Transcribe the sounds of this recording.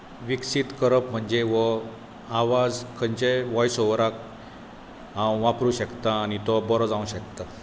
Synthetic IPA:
ʋiksit̪kəɾəpm̤əɳd͡zeʋə | aʋad͡zkʰənt͡ɕeʋɔjsoʋɾak̚ | ɦãwʋapɾuɕəkt̪aːnit̪ɔbəɾɔd͡zãũɕəkt̪a

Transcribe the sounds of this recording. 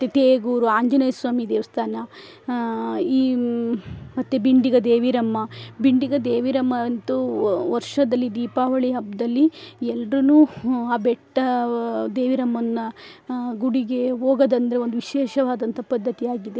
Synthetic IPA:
ɐt̪ːet̪eːɡuːɾuaːɲd͡ʒɐnɐjɐsʋaːmid̪eːʋɐst̪ʰaːnɐ | iː | mɐt̪ːebiɳɖiɡɐd̪eːʋiɾɐmːɐbiɳɖiɡɐd̪eːʋiɾɐmːɐnt̪uʋɐɾʂɐd̪ɐlːid̪iːpaːʋɐɭiɦɐbd̪ɐlːiɛlɾɐnuːaːbɛʈːɐd̪eːʋiɾɐmːɐnːɐ | ɡuɽiɡe̞ɦoːɡɐd̪ɐnd̪ɐɾeond̪uʋiʃeːʃɐʋaːd̪ɐnt̪ɐpɐd̪ʱːɐt̪iaːɡid̪e̞

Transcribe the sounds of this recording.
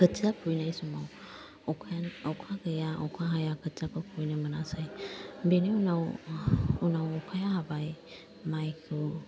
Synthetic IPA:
kɯt͡ʃiapʰujnajsumaw | ɔkʰnɔkʰaɡɯjaɔ̰kʰaɦajakʰɯt͡ʃapʰɯpʰujnɯmanasajbeneunaw | unawɔkʰajaɦabaj | majkʰɯ

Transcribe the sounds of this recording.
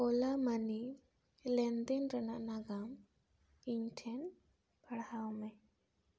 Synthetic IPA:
ɔlamani | lɛnd̪ɛnɾənaʔnaɡam | iɲʈʰɛn | paɽhawmɛ

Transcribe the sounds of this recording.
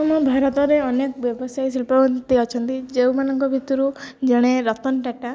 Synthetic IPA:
ɔmɔbʱaɾɔt̪ɔɾeɔnekɔbjɔbɔsajsilpant̪iɔt͡ʃʰɔnt̪id͡ʒewmanɔŋkɔbʱit̪ɔɾud͡ʒeɽ̃eɾɔt̪ɔnʈaʈa

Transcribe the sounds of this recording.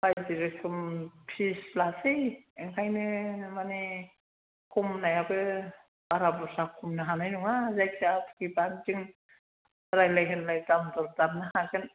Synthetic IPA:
pajdiɾekʰɯmpʰislasɯjeŋkʰajnɯmane | kʰumnajabɯ | baɾabɔɾsakʰumnɯɦanajnuŋazajkʰiatʰu̥kiband͡ʒiŋ | ɾajlajɦɯnlajtamdɔɾdaɾnɯhakɯn

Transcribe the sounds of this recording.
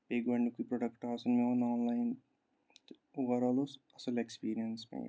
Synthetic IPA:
peːɡʋɐɳɖikipɾoɖɐkʈaːsɐnmeʋɐnaːnlɐjn | uʋɐɾaːloːsɐsɐlekspiːɾijɐnsmḛ

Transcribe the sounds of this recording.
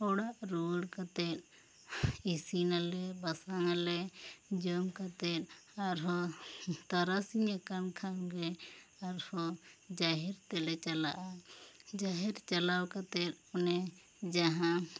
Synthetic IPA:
ɔɽaʔɾuɽkat̪ɛt̚ | isinalɛbasaŋalɛd͡ʒɔmkat̪ɛʈ̚aɾɦɔt̪aɾasiɲakankʰanɡɛaɾhɔd͡ʒaɦɛɾt̪ɛlɛt͡ʃalaʔad͡ʒaɦɛɾt͡ʃalawkat̪ɛt̚ɔnɛ | d͡ʒaɦã

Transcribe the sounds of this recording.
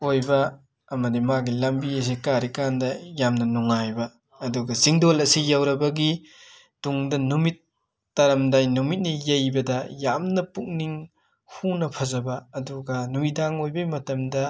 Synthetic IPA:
ojbɐː | mɐdimaɡilɐmbiɐs̬ikaɾikandɐjamnɐnuŋajbɐː | duɡɐziŋdolɐsijawɾɐbɐɡi | tuŋdɐnumitː | ɐɾɐmdajnumit̚nijɐjbɐdɐjamnɐpuk̚niŋ | hunɐpʰɐzɐbɐːduɡɐnuidaŋojbɐmɐtɐmdɐ

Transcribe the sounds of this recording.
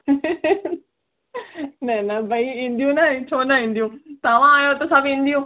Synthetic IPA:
nɐnɐbʱɐiĩːn̆d̪ijũnaẽt͡ɕʰoːnaɦĩːnd̪ijũt̪ɐʋ̤ãaːjot̪ɐsabĩːn̆d̪ijũː

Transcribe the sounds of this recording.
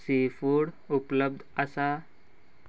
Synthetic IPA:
sefuːɽ | upləb̚d̪ʱəsa

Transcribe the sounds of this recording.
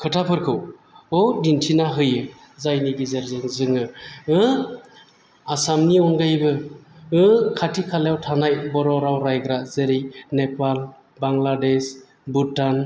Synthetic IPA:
kʰɯtʰapʰɯɾkʰɯw | ɔdintʰinaɦɯjɯ | zajniɡizaɾzɯŋzɯŋɯɯ | asamniɔnɡajbɯɯkʰatʰikʰaljawtʰanajbɔɾɔɾawɾajɡɾazeɾinepal | baŋlades | butan

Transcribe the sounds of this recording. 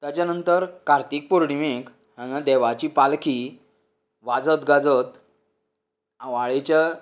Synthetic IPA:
t̪jat͡ɕjanənt̪əɾkaɾt̪iːk̚puɾɳiʋek | hãŋãd̪ɛʋat͡ɕiːpalki | ʋad͡zət̪ɡad͡zət̪ | ãʋaɭet͡ɕa

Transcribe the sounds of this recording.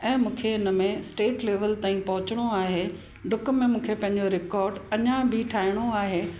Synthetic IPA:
ɛ̃ːmũːkʰeɪnə̆mẽsʈeːʈleːʋəlt̪aːĩpɐɦʊt͡ɕəɽ̃oaːɦe | ɖʱʊkmẽmũːkʰepɐ̃ɦɪ̃ɲ̆d͡ʑoɾɪkɔːɾɖɐɲãbʱɪʈʰaːɪɽ̃oaːɦe

